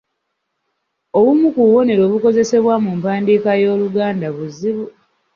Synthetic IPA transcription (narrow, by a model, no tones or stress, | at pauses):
o̞βumukuwo̞ne̞ɾo̞ːβuko̞ze̞se̞βwamumpaːndiːkajo̞ːluɡaːndaβuziβu